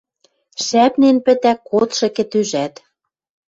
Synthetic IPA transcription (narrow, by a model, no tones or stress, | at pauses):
ʃæpnenpɘ̆t̪ækot̪ʃɤ̆kĕt̪yʒæt̪